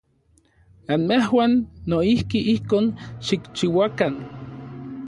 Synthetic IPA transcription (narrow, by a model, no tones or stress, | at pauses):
anmehwaːnːoihkiʔihkoːnʃikt͡ʃiwakan